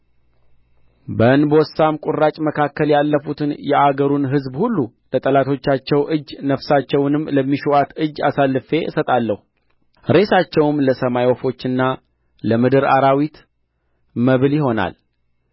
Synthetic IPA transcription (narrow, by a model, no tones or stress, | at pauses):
bənbwɔsːamkʼurːat͡ʃʼməkʰakːəljalːəfut̪ʰɨnjɛʔaɡəɾunɦɨzbhulːu | lət̪ʼəlat̪ʰo̞t͡ʃːat͡ʃːɛwʔɨd͡ʒːnəfsat͡ʃːɛwnɨmːləmːiʃuat̪ɨd͡ʒːasalːɨfe̞sət̪ʼalːəhu | ɾe̞sat͡ʃːɛwmləsəmajwɔfo̞t͡ʃːɨnːa | ləmɨd̪ɨɾa̰ɾawit̪ | məβljiho̞na̰l